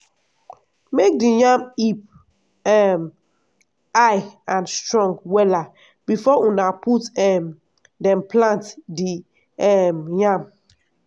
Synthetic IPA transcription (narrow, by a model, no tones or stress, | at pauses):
mek̚dijãmip̚ | ɛm | aɪãnstɹɔ̃ŋɡwɛla | b̥ifɔʔunaputɛm | dɛ̃mplãntdi | ɛmjãm